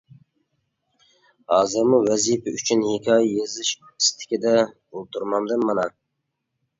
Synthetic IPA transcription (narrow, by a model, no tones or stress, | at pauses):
hɑːzɨɾmuwɛzipʰɛyt͡ʃʰynhikʲʰɑːjɛjezɨʃkʰøpɪ̥st̪ʰɪ̥kʲid̪ɛ | olˠt̪ʰuɾmɑmd̪ɨmːɑnɑ